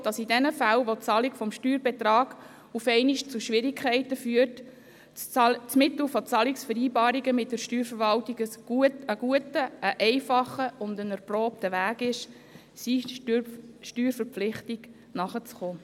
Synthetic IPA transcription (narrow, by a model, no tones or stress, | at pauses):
d̥ɑsidɛnəfælʋot͡sɑːlikfɔmʃtyːɾbetrɑːɡ̥ | ufɛɪniʃt͡suʃʋɪɾikʰχɛɪtəfyːərt | t͡smɪt̪l̩fɔt͡sɑːliksfəɾiːbɑːɾiɡəmɪt̚dəɾʃtyːɾfəɾʋɑltiɡəsɡ̥uətəɡ̥uətəːʔɛɪfɑχəʊndənɛɾproːp̚təʋæːɡɪʃ | si | ʃtyːɾfəɾpflɪχtiɡ | nɑχət͡sχoː